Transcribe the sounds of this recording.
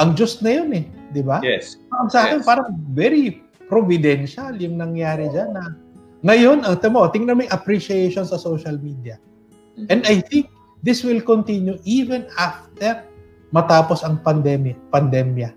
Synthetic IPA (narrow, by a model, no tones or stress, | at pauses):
ʔɐŋd͡ʒʊst̪nɐjonɛd̪ɪbaɐŋsɐaːkɛnpaːɾɐŋvɛɾi | pɾovɪd̪ɛnʃɐljʊŋnɐŋjaːɾɛd͡ʒanːɐ | ŋɐjo̞nɐŋt̪ɛmot̪ɪŋnɐmɐŋʔɐpɾiʃiejʃonsɐsowʃɐlmid̪jɐ | ʔɛ̃nd̪ajθɪŋk̚ | d̪ɪswɪlkont̪injuʔivɛnaft̪ɛɹ | mɐt̪aːposɐŋpɐnd̪ɛmjɐpɐnd̪ɛmjɐ